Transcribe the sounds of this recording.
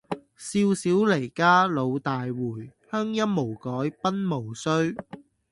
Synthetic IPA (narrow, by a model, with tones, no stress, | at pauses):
siː˧wsiː˨˥wle˨˩jkaː˥lo˨˧wt̪aː˨jwuː˨˩jhœː˥ŋjɐ˥m̚mo˨˩wkɔː˨˥jpɐ˥nmo˨˩wsɵ˥ɥ